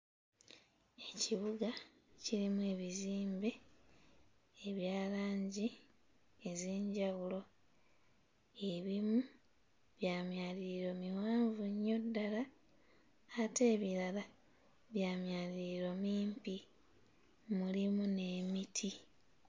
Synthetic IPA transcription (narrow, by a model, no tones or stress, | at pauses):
e̞ciβuɡa | ciɾimue̞ːβiziːmbe̞ | eβjaːlaːɲɟi | ezeːɲɟawulo̞ | e̞βimu | βjaːmjaːliɾiɾo̞miwaːɱvuɲːo̞dːala | te̞ːβiɾala | βjaːmjaːliɾiɾo̞miːmpi | mulimune̞ːmitʰi